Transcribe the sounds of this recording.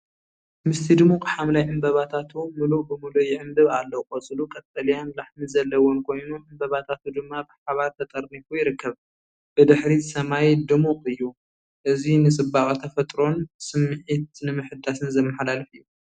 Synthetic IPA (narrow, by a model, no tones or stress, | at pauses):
mɨst̪ʰid̪ɨmukʼħamlajʕɨmbɐβat̪ʰat̪ʰumɨlukʼbɨmulujɪʕɨmbɨβalːɐkʼot͡sʼɨlukʼɐt̪ʼːɐlijanlaħmizɐlːɐwonkʰo̞jnuʕɨmbɐβat̪ʰat̪ʰud̪ɨmːabɨħaβaɾt̪ʰɐt̪ʼɐɾnifujɪɾɨkːɐβ | b̥ɨd̪ɨħɾisɐmajd̪ɨmuqʼɨjːu | ʔɨzinɨsʼɨbakʼt̪ʰɐfɐt̪ʼɾo̞nsɨmːɨʕit̪nɨmɨħɨd̪ːasɨnzɐmːɐħlalɨfɨjːu